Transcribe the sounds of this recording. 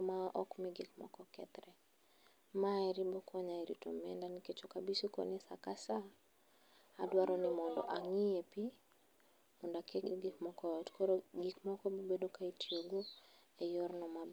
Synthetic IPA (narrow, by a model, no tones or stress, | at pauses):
maʔɔkmɪɡikmɔ̰kɔkɛ̰t̪ɾɛ | maɛɾibokʰɔɲaɛɾḭto̰mɛ̰ndaniket͡ʃokabisikɔ̰nɪsa̰kasa | adwaɾɔnɪmɔndɔ̰ʔaŋiepi | mɔndakeɡikmɔkɔtkoɾoɡikmɔkɔbobedokaitioɡo | ejɔɾnɔmab